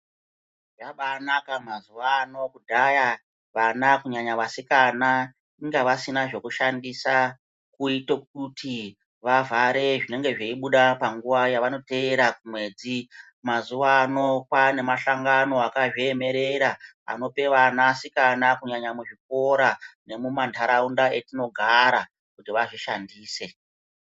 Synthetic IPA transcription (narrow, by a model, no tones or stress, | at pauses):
ʐaɓanakamazuʋaːno̞kudʱaja | ʋanakuɲaɲaʋasikana | iŋɡaʋasinaʐe̞kuʃandisa | kuitok̚uti | ʋavʱaɾe̞ʐine̞ŋɡe̞ʐeiɓuɗapaŋɡuʋajaʋano̞te̞eɾakumwe̞ːd͡zi | mazuʋaːno̞kwane̞maʃaŋɡano̞akaʐeeme̞ɾe̞ɾa | a̰no̞pe̞ʋanasikanakuɲaɲamuʐip̚o̞ɾane̞mumantʰaɾaundae̞tino̞ɡʱaɾa | kutiʋaʐiʃandiːse̞